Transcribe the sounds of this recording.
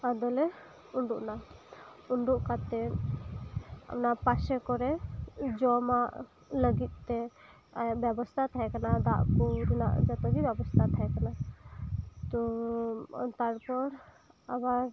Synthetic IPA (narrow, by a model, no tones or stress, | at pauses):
ad̪ɔlɛ | uɳɖuʔna | uɳɖuʔkat̪ɛn | a̰pnapasɛkɔɾɛd͡ʒɔmaʔ | ləɡit̪̚ˀt̪ːɛ | abjɛbɔst̪ʰat̪ʰaɛkanad̪aʔkuɾina̰ʔd͡ʒat̪ɔɡibɛbɔst̪ʰat̪ʰaɛkana | t̪ɔ | t̪aɾpɔɾ | abaɾ